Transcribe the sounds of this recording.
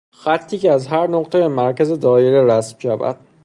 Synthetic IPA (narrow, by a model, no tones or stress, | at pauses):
xæt̪ʰːiːceæzɦæɾnoqt̪ʰebemæɾcæzed̪ɒːjeɾeɾæsmʃævæ̰d̪̥